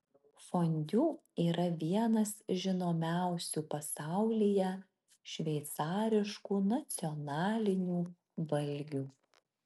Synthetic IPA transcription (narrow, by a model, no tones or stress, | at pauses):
fonʲd̪ʲuːiːɾɐʋʲiɛnɐsʒʲɪnoːmʲæˑʊsʲuːpɐsɑˑʊlʲijɛ | ʃʲʋʲɛɪt̪sɑːɾʲɪʃkuːnɐt̪sʲɪɔnɑːlʲɪnʲuː | ʋɐlʲɡʲuː